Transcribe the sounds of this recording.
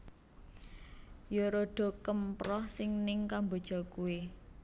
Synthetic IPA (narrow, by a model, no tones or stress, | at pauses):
joɾoɖ̥ɔ̤kəmpɾɔhsɪŋnɪŋkambo̤d̥ʒ̥ɔ̤kuwe